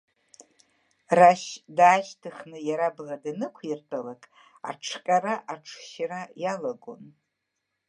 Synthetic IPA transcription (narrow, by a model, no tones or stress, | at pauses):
raʃdaːʒtʰɨχnɨjaɾabladanɨkʷʰirtʼalakʼ | a̰ʈ͡ʂʰkʲʼaraʔaʈ͡ʂʰʃarajalaɡo̰n